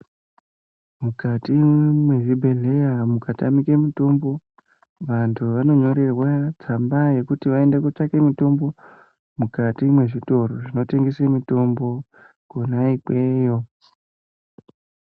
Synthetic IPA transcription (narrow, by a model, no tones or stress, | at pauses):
mukatimwe̞ʐibʱe̞ɮe̞jamukata̰mikemito̞mbo̞ | ʋantʰuʋano̞ɲo̞ɾe̞rwat͡sambaje̞kutiʋaendekot͡ʃake̞mito̞mbo̞ | mukatimwe̞ʐito̞ɾoʐino̞te̞ŋɡesemito̞mbo̞ | konaikwe̞ːjo̞